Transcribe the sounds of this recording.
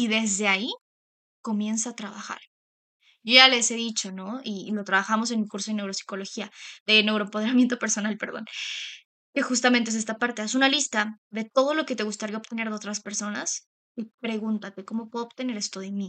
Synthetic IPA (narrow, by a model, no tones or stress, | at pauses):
iðe̞zðe̞ai | ko̞mje̞ns̬aːt̪ɾaβaxa̰ɾ | joʝale̞se̞ðit͡ʃo̞no̞ilo̞t̪ɾaβaxamo̞s̬e̞nmikuɾso̞ð̞ene̞wɾosi̥ko̞lo̞xiaðe̞newɾoempoe̞ɾamje̞nt̪o̞peɾso̞nalpe̞ɾðo̞̰n | ke̞xust̪amẽnt̪es̬est̪apaɾt̪e̞asunalist̪aðe̞t̪o̞ð̞o̞lo̞ke̞t̪e̞ɣust̪aɾiaopt̪ene̞ɾðeo̞t̪ɾaspe̞ɾso̞na̰s | kepɾe̞ɣunt̪at̪e̞ko̞mo̞pwe̞ðoβt̪e̞ne̞ɾe̞st̪oðemĩ